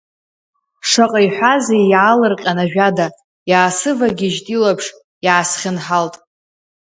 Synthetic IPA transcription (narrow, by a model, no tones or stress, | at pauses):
ʂaqʼajħʷazejaːlɨrqʲʼanaʒᶣada | jaːsɨvaɡʲiʒtʼilapʰʂ | jaːsχʲɪnħaltʼ